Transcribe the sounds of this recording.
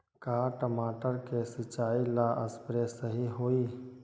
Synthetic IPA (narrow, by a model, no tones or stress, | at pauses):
kaːʈəmaːʈəɾkesɪt͡ʃaːilaːʔəspɾesəɦiɦoːiː